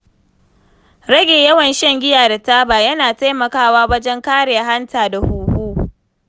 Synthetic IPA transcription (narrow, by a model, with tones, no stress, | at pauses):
ɾɐ˦ɡʲeː˨jɐ˦wɐ˨nʃɛ˦ŋɡʲɪ˦jaː˨da˨taː˦baː˨jɐ˦naː˨ta˦jmɐ˨kaː˦waː˦wɐ˦d͡ʒɛ˦ŋkaː˦ɾɪ˨ja˨ɦa˦ntaː˨da˨huː˨huː˦